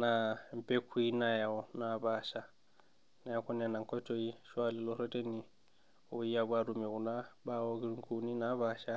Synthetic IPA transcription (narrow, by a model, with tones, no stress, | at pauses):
nampe˦kʰu˦i˦naja˨ɔnaba˨ʃa˦ | na˨jakɔ˦na˨na˨ŋkɔ˦to˦i˦ʃwali˨lɔɾe˦te˦ni | oi˦jabaɾume˨ku˨na˦bawoɡi˦ɾuŋku˦ni˦naβaʃa˦